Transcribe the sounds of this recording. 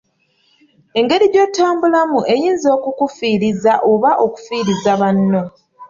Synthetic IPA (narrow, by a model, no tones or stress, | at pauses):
e̞ŋɡe̞ɾiɟo̞taːmbulamuʔe̞jiːnzo̞ːkukufiːɾizaʔo̞βaʔo̞ku̥fiːɾizaβanːo̞